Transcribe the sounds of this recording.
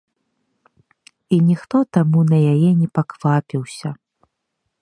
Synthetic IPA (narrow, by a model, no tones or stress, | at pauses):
inʲixt̪ɔt̪amunɐjajɛnʲɛpakv̥apʲiwsʲɐ